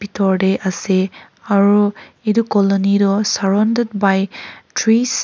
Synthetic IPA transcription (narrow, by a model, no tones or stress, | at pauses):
bitɔɹdeʔase | aɹu | idukɔlɔnidɔsaɹɔnded̚bajtʰɹis